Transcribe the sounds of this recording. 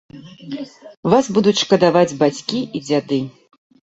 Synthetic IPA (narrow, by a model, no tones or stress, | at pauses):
vasbud̪ut͡sʲʂkɐd̪avad͡zʲbat͡sʲkʲiid͡zʲad̪ɨ